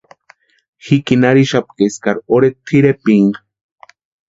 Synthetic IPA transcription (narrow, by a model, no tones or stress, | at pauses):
xikinaɾiʃap̚keskaɾoɾet̪ʰiɾepiŋ